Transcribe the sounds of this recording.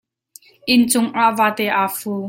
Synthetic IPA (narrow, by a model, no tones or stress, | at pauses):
ʔɪnt͡sʊŋʔaːʔvaːt̪ɛːʔaːfuː